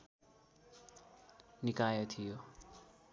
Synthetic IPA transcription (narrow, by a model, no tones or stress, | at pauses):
nikajʌt̪ʰijo